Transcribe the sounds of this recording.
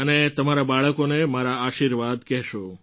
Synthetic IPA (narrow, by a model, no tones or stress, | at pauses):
ənet̪əmaɾabaɭəkonemaɾaaʃiɾʋad̪kɛɦʃo